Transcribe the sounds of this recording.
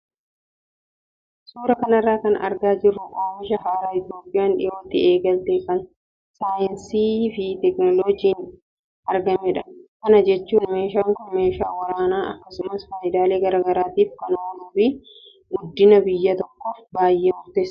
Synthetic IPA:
suːɾɐkɐnɐrːaːkɐnʔɐ̰ɾɡaːd͡ʒɪrːʊkʼoːmɪʃɐhaːɾaːɪt̪jo̞ːpʼːɪjaːnᶑɪ̰joːt̪ːɪeːɡɐlt̪eːfɐn | saːjɪnsiːfɪt̪ɛknɔloːd͡ʒiːn | ʔɐɾɡɐmɛᶑɐ̥kɐnɐd͡ʒɛt͡ʃːuːnmeːʃaːŋkʊmeːʃaːwɐɾaːnaːʔɐkːɐsʊmɐsfaːʔɪd̪aːle̞ːɡɐɾaɡɐɾaːt̪iːfkɐnʊdɐbiː | ɡʊd̪ːɪnɐbɪjːɐt̪ɔkːoːfbaːjːeːmʊɾt̪eːs

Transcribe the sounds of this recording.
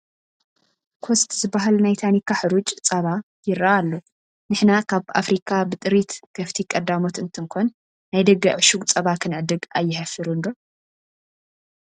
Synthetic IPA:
kʰost̪ʰzɨbaɦalnajt̪ʰanikʰːaħɨɾut͡ʃʼt͡sʼɐβa | jɪɾːaːlːo | nɨħnakʰaβa̰fɾikʰʼabɨt̪ʼɨɾit̪kʰɐft̪ʰikʼɐd̪ːamot̪ɨnt̪ʰɨŋkʰon | najd̪ɐɡːɐʕɨʃuɡʼt͡sʼɐβakʰɨnʕɨd̪ɨɡajːɪħɐfiɾund̪o

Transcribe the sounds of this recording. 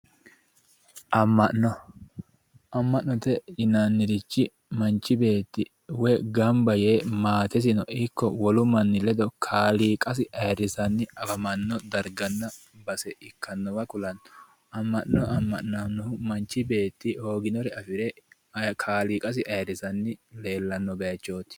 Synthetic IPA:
ʔɐmːɐʔnɔ | ʔɐmːɐʔnɔt̪ɛjɪnanːɪɾɪt͡ʃːɪ | mɐnt͡ʃːɪbe̞ːt̪ːɪ | wɛɡɐmbɐjeːmaːt̪ɛs̬ɪnɔʔɪkːɔwɔlʊmɐnːɪlɛd̪ɔkʰaːliːkʼɐs̬ɪʔɐjɾːɪsɐnːɪɐfɐmɐnːɔd̪ɐɾɡɐnːɐ | bɐsɛʔɪkʰːɐnːɔbɐkʼʊlɐn | ɐmːɐʔnɔɐmːɐʔnanːɔhʊmɐnt͡ʃːɪbe̞ːt̪ːɪo̞ːɡɪnɔɾɛɐfɪɾɛ | kʰaːliːkʼɐs̬ɪʔɐjɾːɪsɐnːɪle̞ːlːɐnːɔɡɐjɐt͡ʃːo̞ːt̪ɪ̥

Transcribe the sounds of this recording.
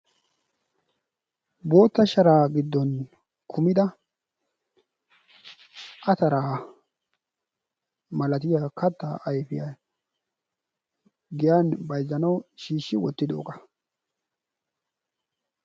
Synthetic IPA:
bo̞ːt̪ːɐʃɐɾaːɡɪd̪ːɔn | kʰʊmɪd̪ɐ | ʔɐt̪ɐɾaː | mɐlɐt̪ɪjaːkʰɐt̪ːaʔɐjfɪja | ɡɪjanbɐjzːɐnɐwʃiːʃːɪwɔt̪ːɪd̪o̰ːkɐ̥

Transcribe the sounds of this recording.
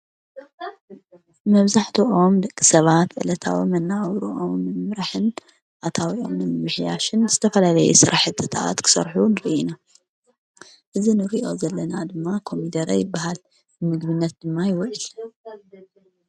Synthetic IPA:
mɐβzaħt̪ʰuʔo̞md̪ɐkʼːi̥sɐβat̪ʕɨ̰lɐt̪ʰa̰wimɐnːaβɾuʔomːɨmɨmɾaħɨn | ʔat̪ʰawiʔo̞̰mnɨmɨmɨħjaʃɨnzɨt̪ʰɐfɐlalɐjṵsɨɾʔaħɨt̪ʰːɨt̪ʰa̰t̪kʰɨ̥sɐ̰ɾħunɨɾɨʔina | ʔɨzinɨɾiʔo̞̰zɐlːɐnad̪ɨmːakʰo̞mid̪ɐɾɐ̰jɪbːaɦal | ɨmɨɡβɨnːɐt̪̚d̪̥ɨmːajɪwɐʔl

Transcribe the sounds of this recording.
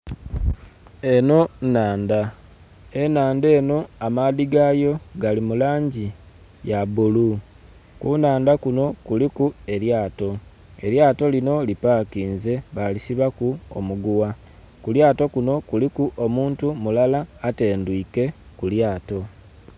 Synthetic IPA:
e̞no̞naːnda | enaːnde̞ːno̞amaðiɡaːjo̞ɡalimulaːɲɟi | jaβulu | kunaːndakuno̞kulikue̞ljaːto̞ | e̞ɾjaːto̞lino̞lipaːkiːnze̞βalisiβakuo̰muɡuwa | kuljaːto̞kuno̞kulikuʔo̞muːntumulalaːte̞ːndwike̞kuljaːto̞

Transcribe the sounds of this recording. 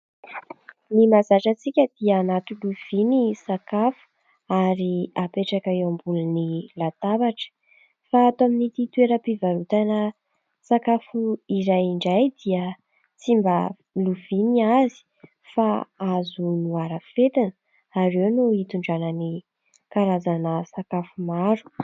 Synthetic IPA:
nimazaʈ͡ʂət͡sikʲəd̪̥iəːnat̪uluv̥inisakafu̥ | aɾiapeʈ͡ʂakaewambulunilat̪abaʈ͡ʂə̥ | faːt̪oaminit̪it̪ueɾəpivaɾut̪anə | sakafuiɾajiɳɖ͡ʐajd̪iə | t͡simbə | luviniazi̥ | faazunuaɾəfet̪inə | aɾewnuit̪uɳɖ͡ʐanəni | kaɾazanəsakafumaɾu̥

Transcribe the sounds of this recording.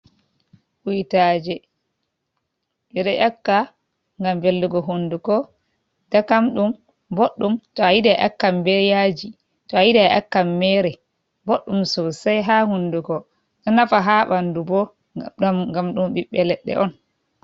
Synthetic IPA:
wujitaːd͡ʒɛ | ɓɛɗɛʔakːa | ŋɡambelduɡɔɦundukɔ | dakamɗum | boɗːumtɔajidɛʔa̰kːambɛjad͡ʒi | tɔajidaʔa̰kːamːɛɾɛ | boɗːumsɔsajɦahunduɡɔ | ɗɔnafaɦaɓandubɔ | ɡamɗumbiɓːɛlɛɗːɛ̰ʔɔn

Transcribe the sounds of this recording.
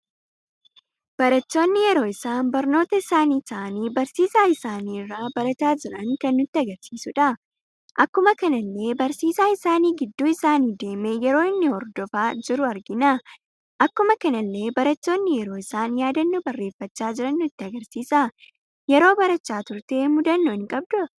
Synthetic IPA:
b̥ɐɾɐt͡ʃːo̞ːnːɪjɛɾo̞ːɪsaːnbɐɾno̞ːt̪ɐɪsaːniːt̪ɐːʔɐniːbɐɾsiːsaːɪsaːniːrːaːbɐɾɐt̪aːd͡ʒɪɾɐŋkɐnːʊt̪ːɪɐɡɐɾsiːsʊᶑɐ | ʔɐkːʊmɐkɐnɐlːe̞ːbɐɾsiːsaːɪsaːniːɡɪd̪ːuːɪsaːniːd̪e̞ːmejɛɾo̞ːɪnːɪhɔɾd̪ɔfaːd͡ʒɪɾʊɐɾɡɪnɐ | ʔɐkːʊmɐkɐnɐlːe̞ːbɐɾɐt͡ʃːo̞ːnːɪjɛɾo̞ːɪsaːnjaːd̪ɐnːubɐrːeːfːɐt͡ʃːaːd͡ʒɪɾɐnːʊɪt̪ːɪɐɡɐɾsiːsɐ | jɛɾo̞ːbɐɾɐt͡ʃːaːt̪ʊɾt̪e̞ːmʊd̪ɐnːoːɪŋkʼɐb̚d̪ʊ

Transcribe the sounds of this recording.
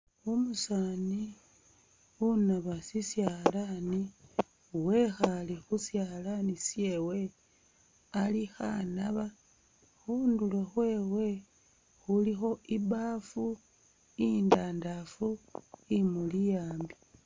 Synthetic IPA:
umusani | unaβasisjalani | we̞xalexusjalanisje̞we̞ | alixa̰naβa | xundulexwe̞ːwe̞ | xulixo̞iβafu | indaːndafuimulijaːmbi

